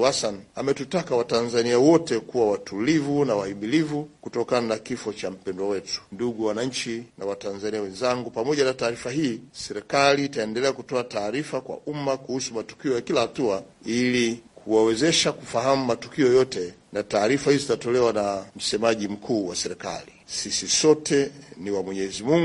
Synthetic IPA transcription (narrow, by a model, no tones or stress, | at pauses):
hasanamɛtutakawatanzaniawɔtɛkuwawatʰulivunawahimilivukutɔkananakifɔt͡ʃam̩pɛndwawɛtu̥nduɠuwanaɲ̩t͡ʃinawatanzaniawɛnzaŋɡupamɔʄanataːɾifaɦiːsɛɾɛkaliːtaɛndɛlɛakutɔataːɾifakwa̰ʔumakuhusumatu̥kiɔjakilahatuailikʰuwawɛzɛʃakufaɦamumatukiɔjɔtɛnataːɾifahizizitatɔlɛwanam̩sɛmaʄim̩kʰuːwasɛɾɛka̰lisisisɔtɛniwamwɛɲɛzimuŋ